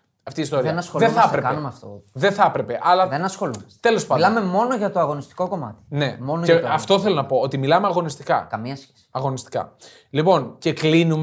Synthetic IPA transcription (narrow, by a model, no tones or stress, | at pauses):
ɐft̪iːst̪oɾiɐenɐsxolðeθɐpɾekɐnumeɐft̪o̰ðeθɐpɾe̞pe̞ʔɐlɐðenɐsxo̞lumɐst̪elo̞spɐlɐmemo̞noʝɐt̪o̞ɐɣo̞nist̪i̥ko̞ko̞mɐ̰t̪i̥ne̞mo̞noʝeɐft̪o̞θe̞lo̞nɐpo̞ot̪imilɐmeɐɣo̞nist̪ikɐ̰kɐmiɐsçesi̥ɐɣo̞nist̪i̥kɐ̰ | lipo̞nce̞klinum